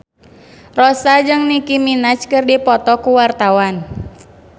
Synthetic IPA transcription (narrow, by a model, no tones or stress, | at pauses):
rɔsad͡ʒɨŋnikiminat͡ʃkɨrdipɔt̪ɔkuwart̪awan